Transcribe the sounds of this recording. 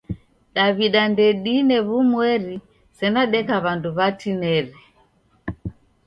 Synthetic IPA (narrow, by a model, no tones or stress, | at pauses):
ɗaβiɗandɛɗinɛβumwɛɾi | sɛnaɗɛkaβanduβatinɛɾɛ